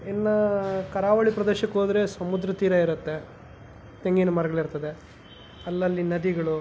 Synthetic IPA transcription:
enːɐkɐɾaːʋɐɭipɾɐd̪eːʃɐkːɦoːd̪ɾe̞sɐmud̪ɾɐt̪iːɾɐiɾɐt̪ːe̞ | t̪eŋɡinɐmɐɾɐɡɐɭiɾt̪ɐd̪e̞ | ɐlːɐlːinɐd̪iɡɐɭu

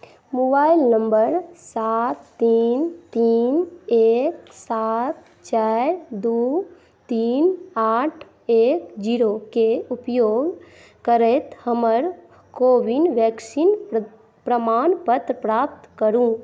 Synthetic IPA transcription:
mobaːilnəmbəɾsat̪ːiːnt̪iːneksat̪ | t͡ʃaɾd̪u | t̪iːnaːʈʰ | eːkd͡ʒiɾokeupjoːɡ | kəɾɛt̪həməɾ | koːʋinʋɛksin | pɾəmaːnpət̪ɾəpɾap̚t̪kəɾũ

